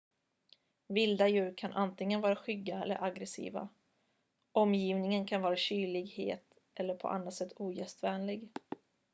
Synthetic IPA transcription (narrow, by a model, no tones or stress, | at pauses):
vɪld̪ajʉ̟ːɾkʰanʔant̪ɪŋənvɑːɾaɧʏɡːaɛlːə̰ɾʔaɡɾɛsḭːva̰ | ɔmːjiːvnɪŋənkʰanvɑːɾaɕyːɭɪɡhḛːt̪ | ʔɛlːəɾpʰɔ̰ʔa̰nːat̪sɛt̪ʰːuːjɛst̪vɛːnlɪɡ